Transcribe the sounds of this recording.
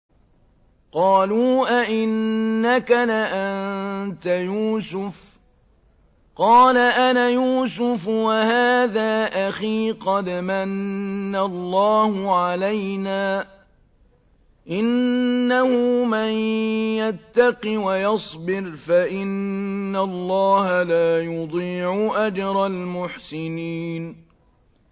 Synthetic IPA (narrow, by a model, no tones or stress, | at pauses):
qɑːluːʔaʔɪnːakalaʔant̪ajuːsʊf | qɑːlaʔanajuːsʊfwahaːðaːʔaxiːqɑd̪manːalˤːɑːhʊʕalajnaː | ʔɪnːahʊmanjat̪ːɑqɨwajɑsˤbɪɾfaʔɪnːalˤːɑːhalaːjʊd̪ˤiːʕʊʔad͡ʒɾˤɑlmʊħsɪniːn